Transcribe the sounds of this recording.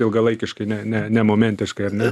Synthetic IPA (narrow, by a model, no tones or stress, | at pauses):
ɪlˠɡɐlˠɐɪkʲɪʃkɐɪnʲɛnʲɛnʲɛmoːmʲɛnʲt̪ʲɪʃkɐɪɐɾnʲɛ